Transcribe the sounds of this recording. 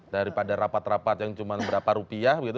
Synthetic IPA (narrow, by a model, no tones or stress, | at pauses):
daɾipadaɾapat̪rapat̪̚jaŋt͡ʃumanbəɾapaɾupiahbəɡit̪